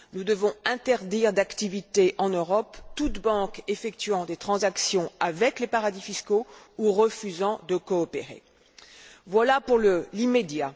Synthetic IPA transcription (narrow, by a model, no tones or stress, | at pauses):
nud̪əvɔ̃ɛ̃t̪ɛʁd̪iʁd̪akt̪ivit̪eʔɑ̃nøʁɔpt̪ut̪bɑ̃kefɛk̚t̪ɥɑ̃d̪et̪χɑ̃zaksjɔ̃avɛklepaʁad̪ifisko | uʁəfyzɑ̃d̪əkɔːpeʁḛ | vwalapuʁləlimed̪ja